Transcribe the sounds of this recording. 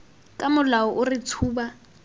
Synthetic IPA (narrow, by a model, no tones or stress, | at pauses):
kʼamʊlaɔʔʊrɪt͡sʰuːba